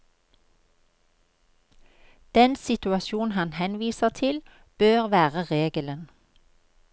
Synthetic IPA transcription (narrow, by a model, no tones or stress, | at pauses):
d̪̥ɛnsɪt̪ʉɑsjuːn̩hɑnhɛnʋiːsəʁt̪ʰɪl | b̥øːʁʋæːʁəʁeːɡələn